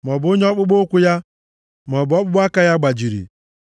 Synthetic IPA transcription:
m˨ɔ˨bo˦ɲe˦ɔ˦k͡pʊ˦ɡ͡bo˦kʷʊ˦ja˦ | m˨ɔ˨bɔ˦k͡pʊ˦ɡ͡ba˦ka˦ja˦ɡ͡ba˨d͡ʒi˨ɾḭ˨

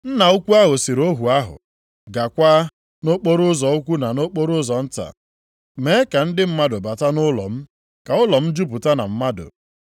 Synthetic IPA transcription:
n̩˦na˨ʊ˦kʷu˦a˦ɦʊ˨si˨ɾo˦ɦu˨a˦ɦʊ̰˨ | ɡa˨kʷaː˦ | no˦k͡po˦ɾʊ˦zɔ˨ʊ˦kʷu˦na˨no˦k͡po˦ɾʊ˦zɔ˨n̩˦ta̰˨ | me˨˦ka˨n̩˦dɪ˦m̩˦ma˦dʊ˨ba˨ta˦nʊ˦lɔ̰˨m̩˦ | ka˨ʊ˦lɔ˨m̩˦d͡ʒu˦p̬ʊ˨ta˦na̰˨m̩˦ma˦dʊ̰˨

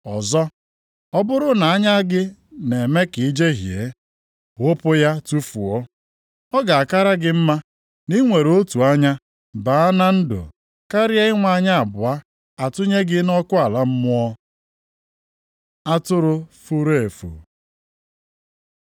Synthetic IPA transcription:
ɔ˨zɔ˦ | ɔ˦bʊ˦ɾʊ˦na˨a˦ɲa˦ɡɪ˦ne˨me˦ki˨˦d͡ʒe˦ɦje˨ | ɣʊ˦pʊ˦ja˦tu˦fu˨ɔ˦ | ɔ˦ɡa˨a˨ka˦ɾa˦ɡɪ˦m̩˦ma˦ | ni˦ŋʷe˨ɾo˦tu˨a˦ɲa˦ | ba˨a˦na˦n̩˦dʊ̰˨ | ka˦ɾja˦ɪ˦ŋʷa˨˦ɲa˦a˨bʊ˨a˦ | a˨tʊ˦ɲe˦ɡɪ˦nɔ˦kʊ˦a˨la˦m̩˦mʊ˦ɔ˦ | a˦tʊ˦ɾʊ˦fu˦ɾe˦e˨fṵ˨

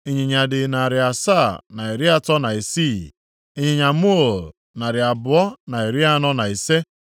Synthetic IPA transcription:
i˨ɲɪ˨ɲa˨dɪ˨na˨ɾɪ˨a˨sa˦˨na˨i˨ɾɪ˦a˦tɔ˦na˨i˨si˦˨ | e˦ɲɪ˨ɲa˨mu˦o˨l | na˨ɾɪ˨a˨bʊ˨ɔ˦na˨i˨ɾɪ˦a˦nɔ˦na˨i˨se˦

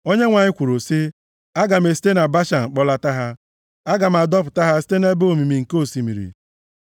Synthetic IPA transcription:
o˦ɲe˦ŋʷa˨ɲɪ˦kʷu˨ɾo˨si˦ | a˦ɡa˨m̩e˨si̥˦te˦na˨ba˦ʃa˨m̩˨k͡pɔ˦la˦ta˦ɦa˦ | a˦ɡa˨m̩˦a˨dɔ˦p̬ʊ˨ta˦ɦa˦si̥˦te˦ne˦bo˨mi˨mi˨ŋ̩˨ko˦˨si˨mi˨ɾḭ˨

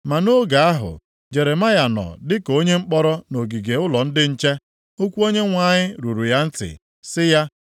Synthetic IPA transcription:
ma˨no˦ɡa˨a˦ɦʊ̰˨ | d͡ʒe˨ɾe˨ma˦ja˨nɔ̰˨dɪ˦ko˦ɲe˦ŋ͡m̩˦k͡pɔ˦ɾɔ˦no˨ɡi˨ɡe˨ʊ˦lɔ˨n̩˦dɪ˦n̩˦t͡ʃe˦ | o˦kʷu˦o˦ɲe˦ŋʷa˨ɲɪ˦ɾu˨ɾu˨ja˦n̩˦tɪ̰˨ | sɪ˦ja˦

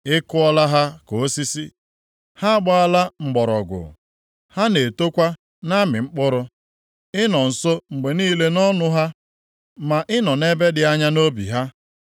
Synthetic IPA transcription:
ɪ˦kʊ˦ɔ˦la˦ɦa˦ko˨o˦si˦si˦ | ha˦a˦ɡ͡bɔ˦a˦la˦ŋ͡m̩˨ɡ͡bɔ˨ɾɔ̰˨ɡʷʊ̰˨ | ha˦ne˨to˦kʷa˦ | na˦mɪ˨ŋ͡m̩˦k͡pʊ˦ɾʊ˦ | ɪ˦nɔ˨n̩˨so˦ŋ͡m̩˨ɡ͡be˨niː˦le˦nɔ˦nʊ˦ɦa˦ | ma˨ʔɪ˦nɔ˨ne˦be˦dɪ˨a˦ɲa˦no˦bḭ˨ɦa˦

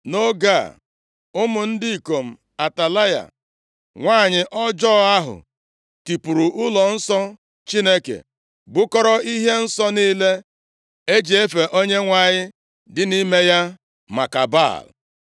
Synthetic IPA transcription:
no˦ɡa˦˨ | ʊ˦mʊ˨n̩˦di˦i˨ko˨m̩˨ | a˨ta˨la˦ja̰˨ | ŋʷaː˦˨ɲɪ˨ʔɔ˦d͡ʒɔː˦a˦ɦʊ̰˨ | ti˨pu˨ɾu˨ʔʊ˦lɔ˨n̩˦sɔ˦ | t͡ʃi˦ne˦kḛ˨ | ɡ͡bʊ˦kɔ˦ɾɔ˦i˦ɦe˦n̩˦sɔ˦niː˦le˦ | e˦d͡ʒi˨e˦fe˨ʔo˦ɲe˦ŋʷa˨ɲɪ˦ | dɪ˦ni˦me˦ja˦ | ma̰˨ka̰˨ba̰˦˨l

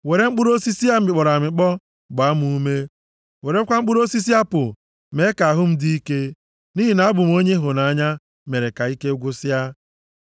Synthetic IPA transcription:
we˨ɾe˦ŋ͡m̩˦k͡pʊ˦ɾo˦si˦si˦a˦m̩˦ɪ˨k͡pɔ˨ɾa˨mɪ˨k͡pɔ˦ | ɡ͡ba˨˦mu˦u˦me˦ | we˨ɾe˦kʷa˦ŋ͡m̩˦k͡pʊ˦ɾo˦si˦s̬i˦a˦pʊ˨ | me˨˦ka˨a˨ɦʊ˦m̩˦di˦i˦ke˦ | ni˦ɦi˨na˨˦a˦bʊ˨m̩˦o˦ɲe˦ɦʊ˨na˨a˦ɲa˦ | me˨ɾe˨ka˨i˦ke˦ɡʷʊ˦sɪ˦a˦

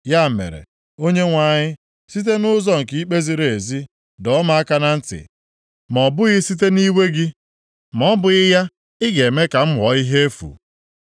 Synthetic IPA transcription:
ja˦˨mḛ˨ɾḛ˨ | o˦ɲe˦ŋʷa˨ɲɪ˦ | si˦t̬e˦nʊ˦zɔ˦ŋ̩˨ki˦i˦k͡pe˦zi˨ɾe˨e˨zi˦ | dɔ˨˦ma˦a˦ka˦na˦n̩˦tɪ̰˨ | mɔ˨bʊ˦ɣɪ˦si˦t̬e˦ni˦we˦ɡɪ˦ | mɔ˦bʊ˨ɣɪ˦ja˦ | ɪ˦ɡe˨me˦ka˨m̩˦ɦɔ˨˦i˦ɦe˦e˦fṵ˨

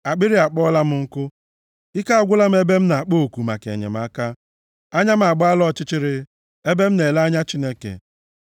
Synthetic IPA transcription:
a˨k͡pɪ˦ɾi˦a˨k͡pɔ˦la˦m̩˦ŋ̩˦kʊ˦ | ɪ˦ka˦ɡʷʊ˦la˦m̩˦e˦be˦m̩˦na˨a˨k͡po˦˨ku˨ma̰˨kḛ˨ɲḛ˨m̩˦a˦ka˦ | a˦ɲa˦m̩˦a˨ɡ͡ba˦lɔ˦˨t͡ʃɪ˦t͡ʃɪ˦ɾɪ˦ | e˦be˦m̩˦ne˨la˦ɲa˦t͡ʃi˦ne˦kḛ˨

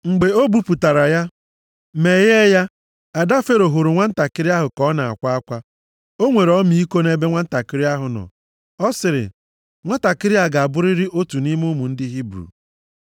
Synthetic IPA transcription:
ŋ͡m̩˨ɡ͡be˨o˦bu˦pu˨ta˨ɾa˨ja˦ | me˨je˦ja˦ | a˨da˦fe˦ɾo˨ɦo˨ɾʊ˨ŋʷa˦n̩˦ta˨kɪ˦ɾɪ˦a˦ɦʊ˨kɔ˨˦na˨a̰˨kʷa˦a˦kʷa˦ | o˦ŋʷe˨ɾɔ˦mi˨˦i˦ko˦ne˦be˦ŋʷa˦n̩˦ta˨kɪ˦ɾɪ˦a˦ɦʊ˨nɔ̰˨ | ɔ˦sɪ˨ɾɪ̰˨ | ŋʷa˦ta˨kɪ˦ɾi˦a˦ɡa˨a˨bʊ˦ɾɪ˦ɾɪ˦ʔo˦tu˨ni˦mʊ˦mu˨n̩˦dɪ˦ɦi˦bɾṵ˨

